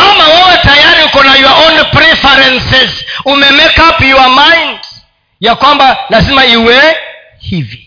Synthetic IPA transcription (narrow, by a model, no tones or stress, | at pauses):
amawɛwɛtajaɾiukɔnajɔaʔɔnpɾɛfɛɾɛnsɛzumɛmɛkapjuamajnd | jakwambalazimaiwɛ | hivi